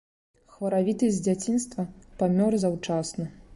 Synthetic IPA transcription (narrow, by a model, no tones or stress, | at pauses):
xvɐɾavʲit̪ɐd͡zʲat͡sʲinst̪vɐpamʲɔrzawt͡ʂasnɐ